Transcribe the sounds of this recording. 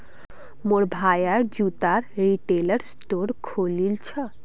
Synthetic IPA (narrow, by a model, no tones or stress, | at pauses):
moɾbʱajaɾd͡ʑut̪aɾɾiʈelaɾsʈoɾkʰolilt͡ɕʰɔ